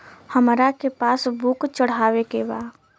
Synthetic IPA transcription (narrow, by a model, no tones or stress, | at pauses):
həmɾakepaːsbʊkt͡ʃəɽ̤aːwekebaː